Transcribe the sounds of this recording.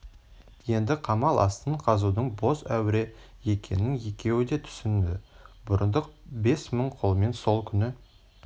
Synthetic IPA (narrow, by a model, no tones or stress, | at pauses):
je̞nd̪ɪqʰɑmɑlˠʔɑ̰st̪əɴqʰɑzud̪əɴbo̞sæ̰wɪɾe | je̞kʲʰe̞̰nːɪŋje̞kʲe̞wɪd̪e̞t̪ʰʏ̥sɪnd̪ɪbʊɾənd̪əq̚be̞sməɴqʰolˠme̞nso̞lˠkʲʰʏnɪ